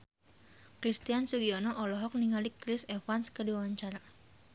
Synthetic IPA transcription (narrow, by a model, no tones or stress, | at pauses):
kɾist̪iansuɡiɔnɔʔɔlɔɦɔk̚niŋalikɾɪsɛfanskədiawaɲt͡ʃaɾa